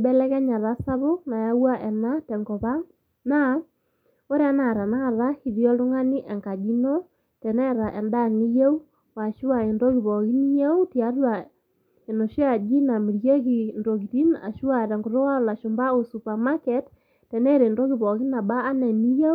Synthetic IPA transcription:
bɛ˦lɛ˦kɛ˦ɲa˨ɾa˦sa˦βo˦na˨ja˦wa˦ʔɛ˨na˦tɛ˨ŋɡɔ˨βa˦ŋ | na˦ | o˦ɾe˦a˦na˨ɾa˨na˦˨ɾa˦hi˨ðjɔ˦lʊ˦ŋa˦ni˦ʔɛ˨ŋka˨d͡ʒi˦nɔ˦ | tɛ˨nɛ˦ɾa˨ʔɛ˨nda˦ŋi˦je˦u˦ | wa˨ʃu˦wa˨e˨ndɔ˦ɣi˨βɔ˨ki˦ni˦ja˦u˦tja˨˦ɾa˨ | e˨no˨ʃi˦a˨d͡ʒi˦na˨mi˨ɾje˦ki˨ndo˨ki˨ti˦na̰˨ʃu˦wa˨ɾɛ˨ŋɡo˨ɾo˦wa˦la˨ʃo˨mba˦o˨su˨pa˨ma˦kɛ˨t | tɛ˨nɛ˦ɾe˨ndo˦ɣi˨βɔ˨ɣi˦na˨baː˦nɛ˨ni˦ja˦

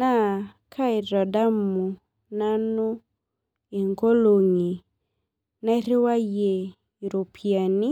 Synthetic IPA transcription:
na˦˨ | kʰa˦ɪ˨ɾɔ˨da˦mu˨ | na˦nu˦ | e˨ŋko˦lo˨ŋi˨ | na˦ɾɪ˦wa˦je˨ | i˨ɾo˨pʰja˨ni˦

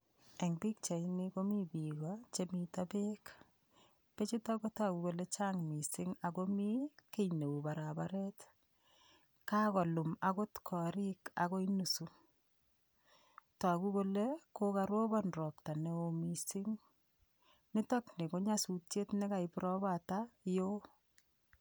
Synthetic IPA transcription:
eŋbi˦k̚t͡ʃa˨inɪko˦mi˦bikɔt͡ʃe˦mitape˦k | pe˦t͡ʃi˦tɔ˦ko˦taku˨ko˨le˦t͡ʃaŋmi˨sɪ˦ŋa˨ko˦mi˦ke˦jne˨u˨ba˨ɾabaɾɛt | ka˦kɔ˨lu˨ma˦ko˦tkʰɔ˨ɾika̰ko˦inu˨su | ta˨kuko˦le˦kokaɾwo˦bɔnrɔ˨p̚ta˨ne˦omisɪŋ | nɪ˦tɔ˦knɪ˨ko˦ɲasu˨tt͡ʃe˦tnɛ˦ka˨ipɾɔbatajo˦

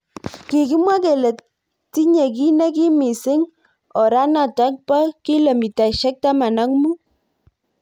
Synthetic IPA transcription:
kɪ˨kɪ˦mwa˦ke˨le˨ | ti˦ɲe˨ki˦na˦ki˦mi˨sɪ˦ŋ | ɔ˨ɾa˦na˨ta˦k̚pa˦ki˦lə˨mi˨ta˨ʃɛ˦k̚ta˦ma˨na˦ŋmu˦

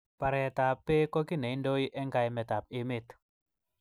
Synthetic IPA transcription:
pa˨ɾɛ˨t̪a˨pːe˦kɔ˦kɪ˦nɛ˨i˦ndo˦i˦ʔɛ˦ŋɡa˨jmɛ˨t̪a˨p̚ɪ˦me˦t̪

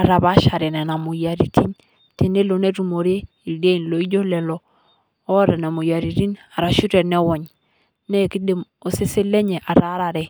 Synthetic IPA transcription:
a˨ɾa˨ba˦ʃa˨ɾɛ˨nɛ˨na˨mu˨ja˨ɾi˨ti˦n | te˨ne˦lo˨ne˦ɾu˨mo˨ɾe˦ | i˨lde˦i˨nlo˨i˦d͡ʒo˦lɛ˨lɔː˨˦ | ɔ˦ɾɛ˨na˨mu˨ja˨ɾi˨ɾi˦na˨ɾa˨ʃu˦ɾɛ˨nɛ˦wɔ˨ɲ | nɛ˦˨ki˦de˨m | o˨se˦se˦le˦ɲɛ˨ʔa˨ɾa˦ɾa˨ɾɛ˨

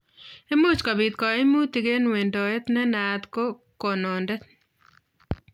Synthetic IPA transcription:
e˦mu˦t͡ʃka˨bɪ˨t̪̚kɔ˨e˦mu˦t̪i˨ɡe˦nwe˨ndɔ˨e˦t̪nɛ˦na˨t̪ko˦ | ko˨nɔ˨ndɛ˦t

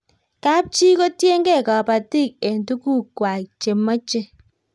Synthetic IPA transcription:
ka˦p̚t͡ʃi˦ko˦tje˦ŋɡe˦˨ka˨pa˨ti˦˨k̚e˨ntu˦ku˦˨kwa˨t͡ʃe˨mɔ˦t͡ʃe˦

